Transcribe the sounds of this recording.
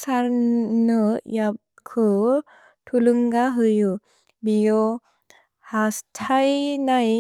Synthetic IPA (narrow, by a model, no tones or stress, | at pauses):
saɾnɯjap̚kʰɯ | tʰulɯŋɡaɦɯju | bijo | hastʰajnaj